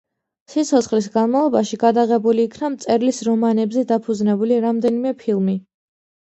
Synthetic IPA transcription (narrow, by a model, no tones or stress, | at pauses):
sit̪sʰɔt̪sʰχlisɡanmalˠɔbaʃiɡad̪aʁɛbuliːkʰnamt̪sʼɛɾlisɾɔmanɛbzɛd̪apʰud̪znɛbuliɾamd̪ɛnimɛpʰilˠmi